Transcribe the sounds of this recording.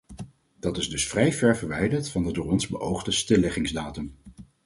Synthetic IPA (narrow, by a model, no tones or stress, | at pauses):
d̥ɑtɪzdɵsfrɛjvɛɹvəɹʋɛjdəɹtfɑndədʊːɹɔnzbəʔowχdəstɪlːɪχɪŋzdaːtəm